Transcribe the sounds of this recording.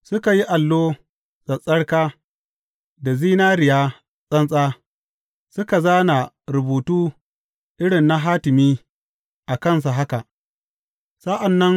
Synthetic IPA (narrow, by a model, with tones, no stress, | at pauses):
sʊ˦ka˨ji˦ʔa˨lːoː˦ | sʼɐ˨sʼɐ˦ɽkaː˦ | da˨ziː˦naː˦ɾɪ˨jaː˦ | sʼɐ˦nsʼaː˦ | sʊ˦ka˨zaː˦na˨ | ɾʊ˨buː˨tuː˦ | ʔɪ˦ɽɪ˨nːa˦ɦaː˦tɪ˨miː˦ | ʔa˨kɐ˦ns̬a˨ɦa˦ka˨ʔ | sa˦ʔa˨nːɐ˦ŋ